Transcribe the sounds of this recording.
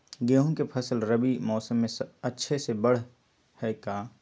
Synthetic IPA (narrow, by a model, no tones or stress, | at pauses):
ɡeːɦõkepʰɐsəlɾəbimɔːsəmːẽsɐtːʃʰesebɐɽ̤ | hɛːkaː